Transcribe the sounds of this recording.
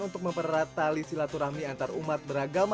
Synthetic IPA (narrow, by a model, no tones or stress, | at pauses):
unt̪ʊk̚məmpərat̪alisilat̪uɾamiant̪aɾumat̪̚bəɾaɡama